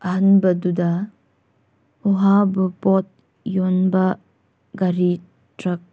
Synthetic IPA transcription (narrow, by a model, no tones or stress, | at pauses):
ɐɦɐnbɐdudɐ | uɦabupɔt̚ | jonbɐ | ɡaɾi | tɾɐk̚